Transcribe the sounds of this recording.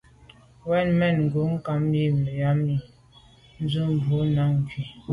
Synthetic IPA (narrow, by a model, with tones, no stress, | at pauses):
wɛ˦˨nmɛ˦˨nŋ̩˨ɡo˨˦ŋ̩˦ka˨˦mji˦m˨ə˨ja˦mi˨ | n̩˦d͡zu˦m˨bu˨˦na˨˦ŋ˨ɡi˨